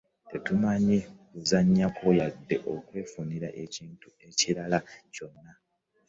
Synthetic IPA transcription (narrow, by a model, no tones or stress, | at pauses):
te̞tumaɲikuzaɲːakojadːe̞ʔo̞kwe̞ːfuniɾaʔeciːntue̞ciɾalaco̞nːa